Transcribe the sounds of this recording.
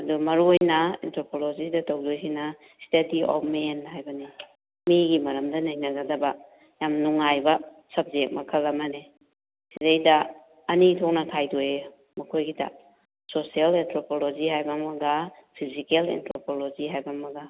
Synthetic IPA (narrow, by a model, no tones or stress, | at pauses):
ɐdumɐɾuojnɐḛntʰɾopʰolod͡ʒidɐtawdojsina | stɐdiɔ̰p̚menɦajbɐni | miɡimɐɾɐmdɐnajnɐɡadɐba | jamnuŋajbɐsɐb̚d͡ʒek̚mɐkʰɐlːɐmane | sidajdɐː | nitʰok̚nɐtʰajdoje | mɐkʰojɡida̰ | sosialentʰɾopʰolod͡ʒiɦajbamɐɡapʰizikelḛntʰɾopʰolod͡ʒiɦajbamɐɡa